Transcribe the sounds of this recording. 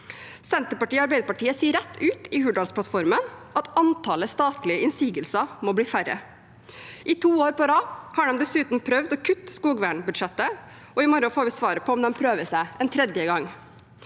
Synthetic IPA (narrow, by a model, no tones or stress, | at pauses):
sɛnt̪əɾpɑʈiːɑɾbæɪd̪əɾpɑʈiːəsiːəɾɛt̪ːʉːt̪ɪhʉɖɑlspʰlɑt̪fɔɾmənʔɑt̪ɑnt̪ʰɑːləst̪ɑːt̪lɪəʔɪnsiːɡəlsɑmɔbliːfæɾə̰ | ʔɪt̪ʰuːoːɾpɔd̪ɑːhɑːɖɛmd̪ɛsʉːt̪n̩pʰɾœʋd̪ɔːkʰʉt̪ːskuːɡʋæːɳbʉd̪ʂɛt̪ːə | ɔɪmɔɾɑfoːɾʋɪsʋɑːɾəpʰɔɔmd̪ɛmpʰɾøːʋəsæɪɛnt̪ʰɾɛd̪jəɡɑŋː